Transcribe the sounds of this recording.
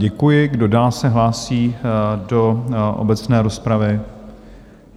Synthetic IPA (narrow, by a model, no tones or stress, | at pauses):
ɟɛkujɪɡdo̞daːlsɛɦlaːsiːdo̞ʔo̰bɛt͡snɛːɾo̞spɾavɪ